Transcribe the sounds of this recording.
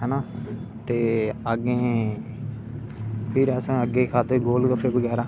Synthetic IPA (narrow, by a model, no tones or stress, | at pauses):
ɦɛːnaːt̪eːəɡẽː | pʰɪɾɛːsãːəɡẽːkʰaːd̪eːɡoːlkəpʰːeːbəɡɛːɾaː